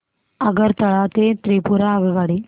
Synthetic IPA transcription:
əɡəɾt̪əɭat̪et̪ɾipuɾaːʋiʋaɽi

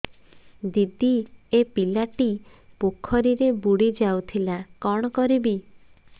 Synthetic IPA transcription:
d̪id̪iepilaʈi | pokʰːɔɾiɾebuɽid͡ʒawt̪ʰilakɔɽ̃ɔkɔɾibi

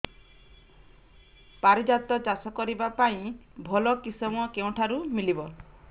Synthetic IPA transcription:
paɾid͡ʒat̪ɔt͡ʃasɔkɔɾibapaĩbʱɔlɔkisɔm̃ɔkew̃ʈʰaɾumilibɔ

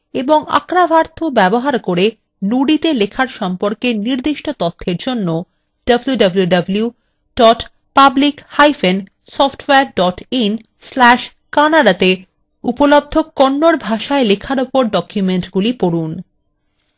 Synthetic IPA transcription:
eboŋa̰kɾabʱaɾt̪ʰobɛboɦaɾkoɾe | nuɖit̪elekʰaɾʃɔmpoɾkeniɾd̪iʃʈot̪ot̪ʰːeɾd͡ʑonːo | ɖ̥əbljuɖɐbljuɖɐblju | ɖ̥ɔʈ | pablikhajfen | sɔfʈweaɾɖɔʈin | slɛʃ | kanaɖat̪e | upolob̚d̪ʱːokːonːoɾbʱaʃaelekʰaɾupoɾɖɔkjumeɳʈɡulipoɽun

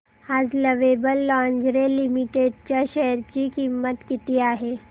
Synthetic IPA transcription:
haːd͡ʒləʋeːbəlːãːnd͡ʒɾelimiʈeːɖt͡ʃaʃɛɦəɾt͡ʃikimːət̪kɪt̪ijaɦɛː

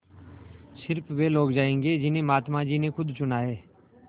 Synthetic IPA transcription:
sɪɾpʰʋeːloːkd͡ʒaːẽːŋɡeːd͡ʒɪnẽːmaːt̪mãːd͡ʒiːnẽːkʊd̪t͡ʃʊnaːɦeː

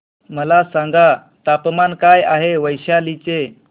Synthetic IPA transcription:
məlasãŋɡa | t̪apmankajaɦeʋəjɕalit͡ɕe

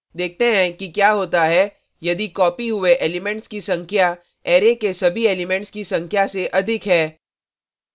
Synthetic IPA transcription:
d̪eːk̚ʰt̪eɦɛ̃kikjaːɦoːt̪aɦɛ | jɐd̪ikɔːpiɦʊeʔeːlɪmɛ̃ɳʈskisɐ̃ŋkʰja | ɛːɾekesɐbʱieːlɪmɛ̃ɳʈskisɐ̃ŋkʰjaseʔɐd̪ʱɪkɦɛː

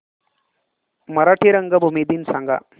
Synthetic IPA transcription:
mɐɾaːʈʰiɾɐŋɡɐbʱumid̪insɐŋɡɐ̰

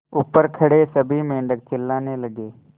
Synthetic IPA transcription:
ʊpːəɾkʰəɽesəbʱimẽːɳɖək̚t͡ʃɪlːaːneləɡeː

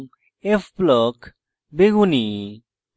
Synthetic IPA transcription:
efplɔk | beɣuni

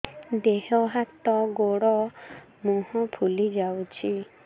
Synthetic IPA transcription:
d̪eɦɔɦat̪ɔɡoɽɔ | mũhɔ̃pʰulid͡ʒawt͡ʃʰi

